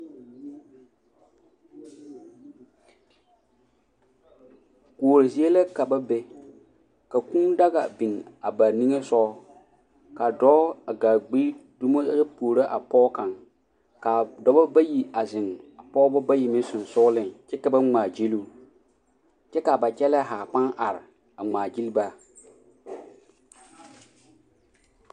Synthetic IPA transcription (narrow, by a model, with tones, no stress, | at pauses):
ku˨o˨ɾɪ˨zi˦e˦la˦ka˨ba˦be˦ | ka˨ku˦da˦ɣa̰˨bi˨ŋa˨ba˨ni˦ŋe˦sɔ˦ | ka˨dɔ˦a˨ɡaː˨ɡ͡biː˦du˦mo˦a˦puː˨ɾa˦ʔa˨pɔː˦ka˨ŋ | ka˨dɔ˦ba˦ba˦ji˨a˨zɪ˨ŋa˨pɔː˦bɔ˦ba˦ji˨mɪ̃˦sʊ˨n˨sʊ˦lɪ˦ŋt͡ʃɛ˦ka˨ba˦ŋŋ͡maː˨d͡ʒi˦lu˦ | t͡ʃɛ˦ka˨ba˨t͡ʃɛ˦lɛ˦ɦaː˨pa˦nʔa˨ɾɪ˨ | a˨ŋ͡maː˨d͡ʒi˦lba˦